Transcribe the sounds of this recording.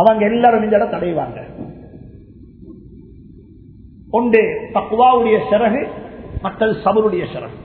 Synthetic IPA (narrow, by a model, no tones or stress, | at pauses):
ɐʋɐŋɡɐɛlːaːɾɯmɪɲd͡ʒ̪ɐɽɐt̪ɐɽɐjʋa̰ːŋɡɐ | ɔɳɖeːt̪ɐkɯʋaːʋɯɽɐjɐʃɛɾɐɣɯmɐʈːɐðɯsɐbɐɾɯɽɐjɐʃɪɾɐ̰ɣɯ